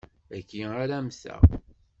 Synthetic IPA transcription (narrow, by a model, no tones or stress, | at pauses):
ækːiaɾæmθæ̰